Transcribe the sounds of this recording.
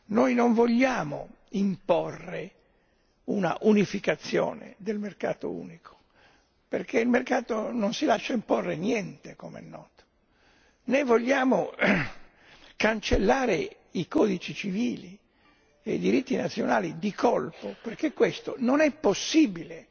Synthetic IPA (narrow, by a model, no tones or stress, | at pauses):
nojnoɱvoʎːaːmo | imporːe | una̰ʔunifikat̪sːjɔ̰ːnḛd̪elmerkaːt̪o̰ṵːnikʰo̥ | perkʰeilmerkaːt̪ononsilaʃːaimporːenjɛnt̪ekomḛɛ̰nːɔːt̪o̥ | nevoʎːaːmo | kant͡ʃelːaːɾe | ikɔːd̪it͡ʃit͡ʃiviːli | eid̪iɾit̪ːinat̪sːjonaːlid̪ikʰolpoperkekːwest̪ononɛpːosːiːbile